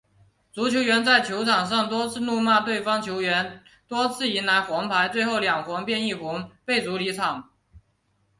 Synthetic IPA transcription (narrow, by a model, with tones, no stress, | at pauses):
t͡su˧˥t͡ɕʰjo˧˥ʊɥɛ˧˥nt͡sa˥˩ɪt͡ɕʰjo˧˥ʊʈ͡ʂʰɑ˨˩ŋʂ̬ɑ˥˩ŋt̪wɔ˥t͡sʰɹ̩˥˧nu˥˧ma˥˧t̪we˥˩ɪfɑ˥ŋt͡ɕʰjo˧˥ʊɥɛ˧˥n | t̪wɔ˥t͡sʰɹ̩˥˩i˧˥nla˧˥ɪxwɑ˧˥ŋpʰa˧˥ɪt͡swe˥˧ɪxo˥˩ʊljɑ˨˩ŋxwɑ˧˥ŋpjɛ˥˧ni˥˩fu˧˥ŋpe˥˩ɪt͡su˧˥li˧˥ʈ͡ʂʰɑ˨˩˦ŋ